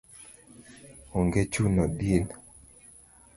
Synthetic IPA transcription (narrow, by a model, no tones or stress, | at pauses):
oŋɡet͡ʃunɔdin